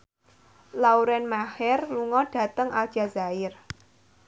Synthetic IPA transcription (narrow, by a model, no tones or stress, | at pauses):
lauɾɛnmahɛrluŋɔɖ̥ä̤t̪əŋad̥ʒ̥a̤zaɪr